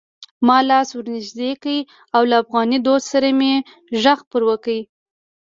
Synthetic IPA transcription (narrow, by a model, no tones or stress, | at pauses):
mɑlɑswəɾnɪʒd̪ekai | awlaːfɣɑnid̪od̪saɾame | ʒaxpəɾwəkəi